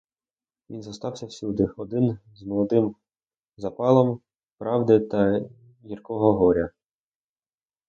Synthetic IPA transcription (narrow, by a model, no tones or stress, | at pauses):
ʋʲinzɐst̪ɑwsʲɐwsʲud̪ɪɔd̪ɪnzmɔlˠɔd̪ɪm | zɐpɑlˠɔm | pɾɑwd̪ɪt̪ɐ | jirkɔɦɔɦɔɾʲɐ